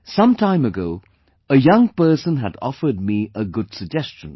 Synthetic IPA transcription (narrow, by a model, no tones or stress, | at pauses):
sʌ̃mtʰãɪ̃məɡoʊ | əjʌ̃ŋpɜ˞sə̃nɦədɔ̰fə˞d̚miəɡʊd̥səɡ̚d͡ʒɛst͡ʃə̃n